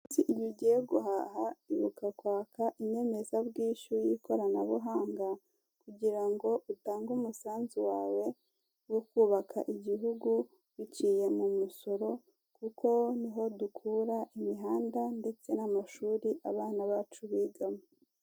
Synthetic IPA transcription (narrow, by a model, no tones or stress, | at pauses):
usiʔijuɟijeɡuɦahaiβukakwaːkʰaʔiɲe̞me̞zabɡiːʃujiko̞ɾanaβuɦaːŋɡa | kuɟiɾaŋɡo̞ʔutaːŋɡumusaːnziwaːwe̞ | wokuːβakʰa̰ʔiɟiɦuɡu | wicije̞mumuso̞ɾo̞ | kukʰo̞niɦo̞dukʰuɾaʔimiɦaːndande̞t͡se̞namaʃuːɾiʔaβaːnaβaːt͡ʃuβiːɡamo